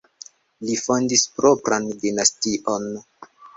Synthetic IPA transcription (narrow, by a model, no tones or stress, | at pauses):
lifo̞ndispɾopɾandinastiʔon